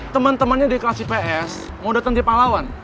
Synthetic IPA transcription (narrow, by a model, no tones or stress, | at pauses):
t̪əmənt̪əmənɲadiklasipeʔɛs | mudat̪əŋd̪ipalawan